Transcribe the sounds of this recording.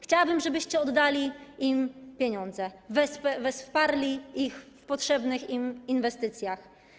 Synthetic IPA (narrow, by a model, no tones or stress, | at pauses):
xt͡ɕawabɘmʐɛbɘɕt͡ɕɛɔd̪ːalʲiimpʲjeɲɔnd̪zɛvɛsvɛspaɾlʲiixfpɔtʂɛbnɘximinvɛst̪ɘt̪sʲjax